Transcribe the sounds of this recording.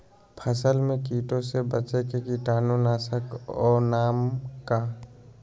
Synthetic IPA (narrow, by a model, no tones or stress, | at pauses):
pʰəsəlmẽkiːʈõsebət͡ʃekekiʈaːnonaːsəkɔːnaːmka